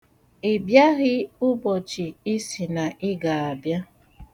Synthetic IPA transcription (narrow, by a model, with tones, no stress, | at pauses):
e˨bja˦ɣɪ˦ʊ˦bɔ˨t͡ʃi˨i˦si˨na˨ʔɪ˦ɡa˨a˨bja˦